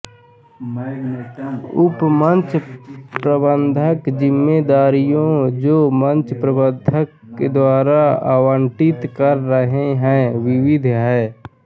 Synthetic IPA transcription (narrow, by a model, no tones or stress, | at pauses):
ʊpmə̃nt͡ʃpɾəbə̃nd̪ʱəkd͡ʒɪmːed̪aːɾijõd͡ʒoːmə̃nt͡ʃpɾəbə̃nd̪ʱəkːed̪waːɾaa̰ːwə̃ɳʈɪt̪kəɾːəɦeɦɛ̃ʋɪʋɪd̪ʱɦɛː